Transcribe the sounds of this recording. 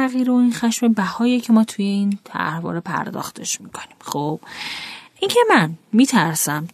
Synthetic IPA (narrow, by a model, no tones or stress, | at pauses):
æɣiːɾeoinxæʃme̞bæhɒːjecʰe̞mɒːt̪ʰuje̞iːnt̪ʰæ̰hvɒ̰ːɾe̞pʰæ̰ɾd̪ɒ̰ːxt̪ʰe̞ʃmikʰo̞̥nimxob̥ʔincʰe̞mænmiːt̪ʰæɾsæm